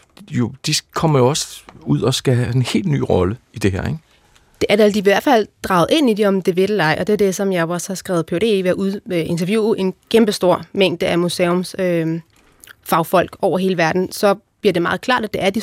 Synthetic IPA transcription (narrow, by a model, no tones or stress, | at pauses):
jo̝d̥ikʰɒ̽m̰ɐjoɒ̽suð̰ˠɒ̽sɡ̥æɦæenhe̝̰ːldny̰ːʁɒ̽ləid̥e̝ɦḛɐ̰eɡ̥ | d̥e̝ʔæɐd̥æld̥iiʋæɐd̥fæl̰d̥ʁɑ̈ʊð̩ˠe̝n̰id̥eɒ̽md̥eʋeɾ̥lɑɪ̰ʔɒ̽d̥eæd̥e̝sɒ̽mjɑ̈ɪɒshɑsɡ̥ʁɛ̰ːʊpʰed̥e̝̰ʋæɐʔuðˠøe̝nt͡sʰɐʋjuːʔe̝nkʰemb̥əsd̥o̝ɐ̰meŋ̰d̥əʔæmuseɔmsø | fɑ̈ʊfɒ̽l̰ɡ̥ɒʊɐɦe̝ːləʋæɐd̥n̩sɒ̽b̥liɐde̝mɑ̈ːð̞̩ˠkʰlɑ̰̈ːd̥æd̥e̝æɐd̥i